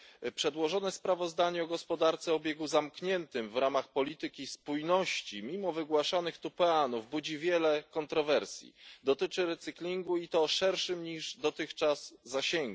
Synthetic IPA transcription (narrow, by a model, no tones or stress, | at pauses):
pʂɛd̪wɔʐɔnɛspɾavɔzd̪aɲɛɔɡɔspɔd̪aɾt̪sɛɔbʲjɛɡuzamkɲɛnt̪ɘmvɾamaxpɔlʲit̪ɘkʲispujnɔɕt͡ɕimʲimɔvɘɡwaʂanɘxt̪upɛanuvbud͡ʑivʲjɛlɛkɔnt̪ɾɔvɛɾsʲjḭd̪ɔt̪ɘt͡ʂɘɾɛt̪sɘklʲiŋɡuit̪ɔʂɛɾʂɘmɲiʐd̪ɔt̪ɘxt͡ʂaz̥ːaɕɛŋɡu